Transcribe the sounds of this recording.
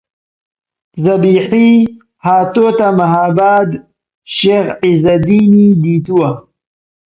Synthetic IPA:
zɐbiːħi | haːt̪ot̪amaɦaːbaːd̪ | ʃexizad̪inid̪it̪uwa

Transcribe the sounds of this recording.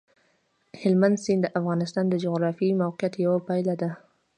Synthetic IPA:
hɪlmand̪sind̪əʔafɣɑnɪst̪ɑnd̪əd͡ʒʊɣɾɑfimawqɪjat̪jawapajlad̪a

